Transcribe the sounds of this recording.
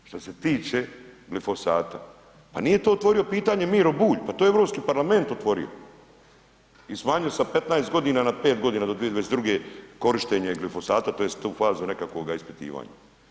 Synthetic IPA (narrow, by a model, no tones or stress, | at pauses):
ʃt̪ose̞t̪iːt͡ʃe̞ɡlifo̞saːt̪a | pa̰nije̞t̪oːot̪ʋo̞ɾijo̞piːt̪aɲe̞miːɾo̞buːʎpat̪ojeeʋɾo̞pskiːpaɾlame̞nt̪ot̪ʋo̞ɾḭo̰ | ismaːɲijosape̞t̪naest̪ɡo̞d̪inanape̞ːt̪̚ɡo̞d̪iːnaːd̪od̪ʋijeʋaesed̪ɾuɡe̞ko̞ɾiʃt̪eɲeɡlifo̞saːt̪at̪o̞ːjest̪uːfaːzune̞kako̞ɡaispi̥t̪ḭːʋa̰ːɲa̰